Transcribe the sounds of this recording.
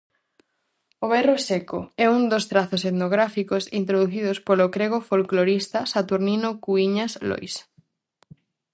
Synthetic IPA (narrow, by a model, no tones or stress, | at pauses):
oβɛrosekoɛund̪ost̪ɾaθoseðnoɣ̞ɾafikosint̪ɾoðuθiðospolokɾeɣofolkloɾist̪asat̪uɾninokuiɲaslo̰js